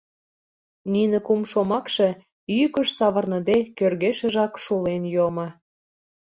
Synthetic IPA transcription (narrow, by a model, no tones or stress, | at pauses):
ninĕkumʃomɑkʃĕ | ykə̆ʃsɑβərnə̆d̪ekørɣeʃə̆ʒɑkʃulenjomɤ̆